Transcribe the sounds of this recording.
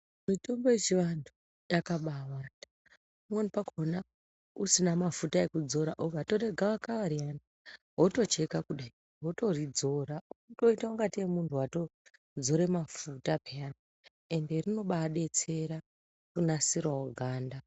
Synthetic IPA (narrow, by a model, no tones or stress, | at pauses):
mito̞mboet͡ʃiʋantʰu | jakaɓawa | umwonipakona | usinamafutaekud͡zo̞ɾaʔoɡʱato̞re̞ɡʱawakawaɾiana | ɦo̞to̞t͡ʃe̞kakuɗe | ɦoto̞rid͡zo̞ɾato̞itauŋɡatiemuntʰuwato̞ | d͡zo̞ɾe̞mafutapeana | e̞nde̞rino̞ɓaɗe̞t͡se̞ɾa | kunasirwaoɡʱaːnda